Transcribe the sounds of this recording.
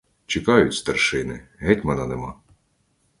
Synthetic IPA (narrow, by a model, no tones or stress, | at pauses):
t͡ʃɪkɑjʊtʲst̪ɐrʃɪnɪ̰ɦɛtʲmɛnɑnemɑ